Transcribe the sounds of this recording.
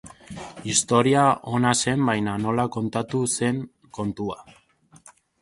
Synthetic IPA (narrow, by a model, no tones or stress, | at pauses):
ist̪o̞ɾiaʔo̞nase̞mbajnano̞lako̞nt̪at̪use̞ŋ | ko̞nt̪ua